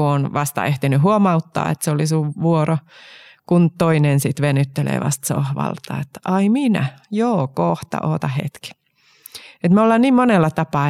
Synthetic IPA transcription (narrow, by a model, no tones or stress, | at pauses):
uonʋɑst̪ɑ̰eht̪inyhuomɑut̪ːɑ̰ːḛt̪seolisuʋʋuorokunt̪oinensit̪ʋenyt̪ːelḛːʋɑ̰st̪so̰hʋɑ̰lt̪ɑ̰ːet̪ːɑiminæ̰joːkoht̪ɑ̰ʔoːt̪ɑhḛt̪ki̥ | et̪meolːɑnniːmmonelːɑt̪ɑpɑː